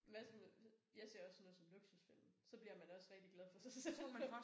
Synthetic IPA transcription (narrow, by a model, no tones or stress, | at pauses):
æsmjɑ̈ɪse̝ɐɒ̽sno̽ːðˠsɒ̽mloɡ̥susfil̰n̩sɒ̽b̥liɐmænd̥ɒ̽sʁɛɡ̥̚d̥iɡ̥lɛð̞ˠfɒ̽sase